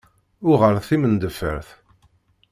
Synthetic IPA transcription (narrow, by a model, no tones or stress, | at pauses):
ʊʁəɾθimənd̪əfə̰ɾθ